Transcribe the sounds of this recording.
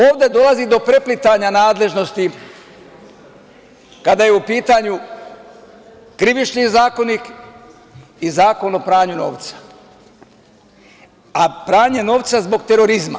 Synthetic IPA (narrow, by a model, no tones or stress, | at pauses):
o̞ːʋd̪e̞d̪o̞lazid̪o̞pɾe̞plit̪aɲanaːd̪le̞ʒno̞st̪i | kad̪ajeupiːt̪aɲu | kɾiʋit͡ʃɲizaːko̞nik | izaːko̞nopɾaːɲuno̞̰ːʋt̪sḁ | apɾaːɲe̞no̞ːʋt̪sazbo̞ɡt̪e̞ɾo̞ɾizma̰